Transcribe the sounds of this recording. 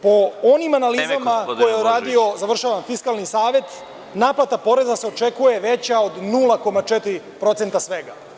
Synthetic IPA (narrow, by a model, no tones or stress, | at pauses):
po̞onimanalizamakojeuɾaːd̪io̞zaʋr̩ʃaʋamfiskalˠnisaːʋe̞t̪ | naːplat̪apo̞ɾe̞zase̞o̞t͡ʃekuje̞ʋe̞t͡ɕao̞d̪nulˠako̞mat͡ʃet̪iɾi | pɾo̞t̪se̞nt̪asʋe̞ɡa